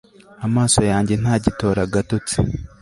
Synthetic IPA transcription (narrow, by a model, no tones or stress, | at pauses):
amaːsojaːɲɟe̞n̥haːɟito̞ːɾaɡatot͡se̥